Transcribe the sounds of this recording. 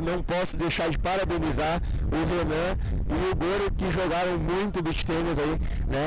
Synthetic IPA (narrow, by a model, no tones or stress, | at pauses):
nɐ̃w̃pɔsʊd̪ejʃaɾd͡ʒɪpaɾabẽnizaɾ | ʊɦenɐ̃ | ɪʊɡoɾʊkɪʒoɡaɾɐ̃w̃mũj̃t̪ʊbiʃt̪ẽnɐzai | nɛ